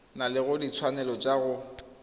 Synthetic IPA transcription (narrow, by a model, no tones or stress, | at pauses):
nalɪɣʊdit͡sʰwanɛlɔt͡ʃʼaɣʊ